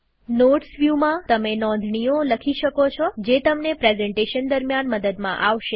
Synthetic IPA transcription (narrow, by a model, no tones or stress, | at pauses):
noʈsʋjumãt̪əmenɔ̃nd̪ʱɳioləkʰiʃəkot͡ʃʰɔd͡ʒet̪əmnepɾezɛɳʈeʃənd̪əɾmjanməd̪əd̪mã̰ʔaʋʃe